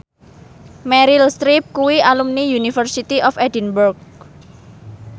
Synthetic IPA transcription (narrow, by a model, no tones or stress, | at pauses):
mɛɾilst̪ɾip̚kuwiʔalumnijunifərsit̪iʔɔfɛdinburk̚